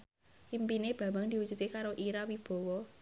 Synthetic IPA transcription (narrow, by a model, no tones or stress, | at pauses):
impineb̥ä̤mbaŋd̪̥i̤wud͡ʒ̥ṳt̪ekaɾoʔiɾawib̥ɔ̤wɔ